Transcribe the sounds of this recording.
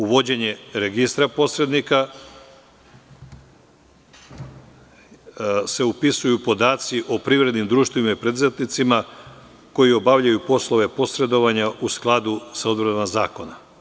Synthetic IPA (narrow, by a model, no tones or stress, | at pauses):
uʋo̞d͡ʑe̞ɲe̞ɾeɡist̪ɾapo̞sɾe̞d̪nika | se̞upisujupo̞d̪aːt̪siʔo̞pɾiʋɾe̞d̪nimd̪ɾuːʃt̪ʋimaipɾed̪uzet̪nit̪sima | ko̞jio̞baʋʎajupo̞slˠo̞ʋe̞po̞sɾe̞d̪o̞ʋaɲausklˠad̪usaod̪bɾanamazaːko̞na